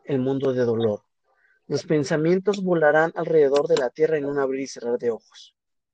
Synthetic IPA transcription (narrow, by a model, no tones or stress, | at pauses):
e̞lmũnd̪o̞ðe̞ðo̞lo̞ɾ | lo̞spe̞nsamje̞nt̪o̞zβo̞laɾanalre̞ðe̞ðo̞ɾðe̞lat̪je̞raenunaβɾiɾise̞raɾðe̞o̞xo̥s